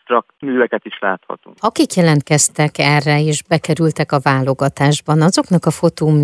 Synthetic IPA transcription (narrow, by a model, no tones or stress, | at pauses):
rɒkmyːvɛkɛt̪iʃla̰ːt̪hɒ̰t̪ṵːŋɒkikjɛlɛnt̪̚kɛst̪ɛkɛrːɛeːʒbɛkɛɾylt̪ɛkɒvaːlo̞ɡɒt̪aːʒbɒnɒzo̞knɒkɒfo̞t̪oːm